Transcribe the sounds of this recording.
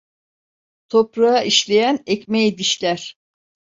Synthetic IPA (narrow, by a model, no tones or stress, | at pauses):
t̪ʰopɾaaʔiʃlʲe̞jænɛcmejed̪iʃlʲæɾ̥